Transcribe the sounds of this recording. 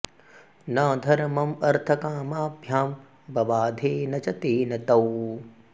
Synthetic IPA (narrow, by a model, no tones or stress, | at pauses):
nɐːd̪ʱɐɾmɐmɐɾt̪ʰɐkaːmaːbʱjaːm | bɐʋaːd̪ʱeːnɐt͡ʃɐt̪eːnɐt̪ɐw